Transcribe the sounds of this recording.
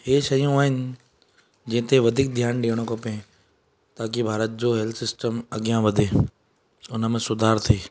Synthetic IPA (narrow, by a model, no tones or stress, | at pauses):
ɦeːʃɐjõaːɦɪnɪ̆ | d͡ʑẽːt̪ʰeʋɐd̪ʱik̚d̪ʱjaːnɖiːəɽ̃õkɐpẽ | t̪aːkibʱaːɾət̪̚d͡ʑoːɦɛlt̪ʰsɪsʈəmɐɡjãʋɐd̪ʱeː | ʊnəmẽsʊd̪ʱaːɾt̪ʰiː